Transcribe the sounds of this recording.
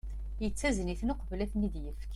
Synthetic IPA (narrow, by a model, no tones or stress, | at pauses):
jət͡sːæzniθnʊqvlæθnid̪jəfk